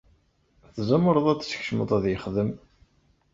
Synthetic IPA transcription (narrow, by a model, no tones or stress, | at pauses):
θzæməɾˤəðˤæt͡sːsə̥çʃəməðˤæðjəχðəm